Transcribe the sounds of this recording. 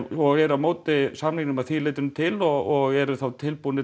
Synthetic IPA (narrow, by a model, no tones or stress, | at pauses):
ɔɣɛɾamoːwt̪ɪsamniknʏmaðθileːjt̪ʏnt̪ʰɪlɔɣɔɣɛɾʏθawt̪ʰɪlpunɪ